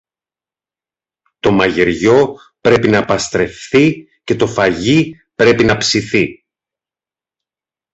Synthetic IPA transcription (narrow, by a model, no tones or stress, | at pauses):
t̪o̞mɐʝeɾʝo̞ | pɾe̞pinɐpɐst̪ɾe̞fθi | ce̞t̪o̞fɐʝi | pɾe̞pinɐpsiθi